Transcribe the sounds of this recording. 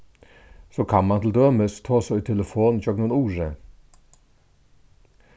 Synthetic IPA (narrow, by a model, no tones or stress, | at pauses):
soːkʰɑnmɑnt̪ʰɪld̪øːməst̪ʰɑːsoːiːt̪ʰɛləfoːnd͡ʒɔːk̚nunuːʐə